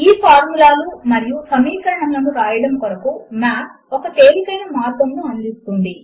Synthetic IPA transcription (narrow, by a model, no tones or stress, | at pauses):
iːpʰaːɾmulaːlumɐɾijusɐmiːkɐɾɐɳɐmlɐnuɾaːjɐɽɐmkoɾɐkumaːp | ɔkɐt̪e̞ːɾikɐjnɐmaːt̪ɐmnuɐnd̪ist̪und̪i